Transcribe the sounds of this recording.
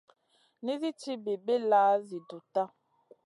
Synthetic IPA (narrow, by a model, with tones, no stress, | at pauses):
ni˦zi˦ti˦be˨be˦laː˦zi˨do˨ta˦